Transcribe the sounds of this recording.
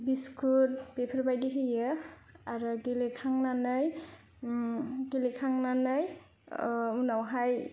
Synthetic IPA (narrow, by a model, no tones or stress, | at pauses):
biskʰut̚b̥epʰaɾbajdiɦɯjɯ | aɾɔɡelekʰaŋnanɯj | ɡelekʰaŋnanɯj | unawɦaj